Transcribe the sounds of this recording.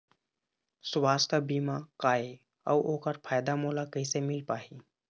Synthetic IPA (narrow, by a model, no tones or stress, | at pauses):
sʊwaːskabiːmakaːe | ɔʋʔoːkəɾpʰaːjd̪amoːlakəisemɪlpaːɦi